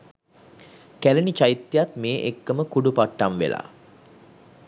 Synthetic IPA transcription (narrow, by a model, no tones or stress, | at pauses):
kælenit͡ʃajit̪ːjat̪meːʔekːəməkuɖupaʈːamʋḛlʔa̰ː